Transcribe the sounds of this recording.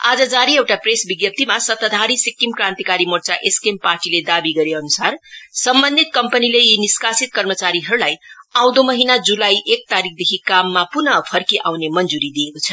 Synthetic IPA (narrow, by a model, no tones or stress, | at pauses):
a̰d͡zʌd͡zaɾiewʈapresbiɡjʌp̚t̪ʰimasʌt̪ʌd̪ʱaɾisikːimkɾãnt̪ikaɾimoɾt͡saʔeskemparʈiled̪abiɡʌɾeʌnusarsʌmbʌnd̪ʱit̪̚kʌmpənileiniskasit̪̚kʌrmʌt͡saɾiɦʌɾulajaw̃d̪omʌɦinad͡zulajʔek̚t̪aɾik̚ʰd̪ekʰikamːapunʌpʰʌrkiʔa̰wnemʌnd͡zuɾid̪iekot͡sʰʌ